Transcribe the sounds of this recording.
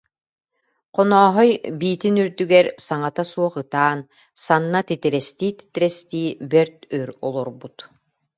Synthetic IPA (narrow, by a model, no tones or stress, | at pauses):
qɔnɔːɦɔjbiːt̪inyɾd̪yɡɛɾsaŋat̪asuɔχɯt̪aːn | sanːat̪it̪iɾɛst̪iːt̪i̥t̪iɾɛst̪iːbɛɾt̪œɾɔlˠɔɾbut̪